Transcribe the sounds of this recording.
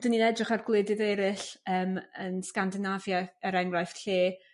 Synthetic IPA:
d̥əninɛdrɪχarɡlˠɪːdɨðɛɾɪɬəːmənskandɪnavjaəɾɛŋrajfɬeː

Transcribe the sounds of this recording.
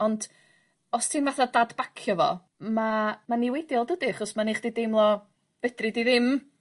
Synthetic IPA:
ɔnd | ɔstʰimvaθadadb̥akʰjɔvɔ̰ | mamaniwejdjɔlˠdədiaχɔsmaniχd̥idemlˠɔ | b̥ɛdridiðɪm

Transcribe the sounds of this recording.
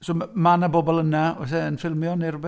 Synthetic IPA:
soːmanabɔbɔlˠənaɔs̬ɛənfɪlˠmjɔnirʊbɛ

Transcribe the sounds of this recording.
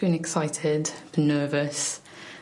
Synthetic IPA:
ʉ̃nɛksaɪtʰɪdb̥ənɜːvəs

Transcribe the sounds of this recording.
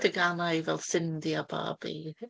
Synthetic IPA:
dəɡanajvɛlˠsɪndiabɑ̰ːb̥ḭ

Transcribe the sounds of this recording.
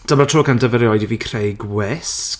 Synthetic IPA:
d̥əmatʰoːkandəvəɾjɔjdiviːkʰrejɡwɪs

